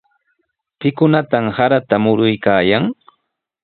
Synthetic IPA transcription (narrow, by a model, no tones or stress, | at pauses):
pɪkʊnat̪amhaɾat̪amʊɾʊjkaːjaŋ